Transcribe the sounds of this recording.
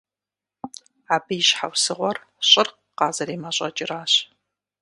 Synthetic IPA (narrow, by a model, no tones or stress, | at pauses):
aːbɨjɪʃħa̰wsɨʁʷɔr | ɕʼɪrq | qɑːzɐɾiːmɐɕʷʼɐ̰t͡ʃʼɪraːɕ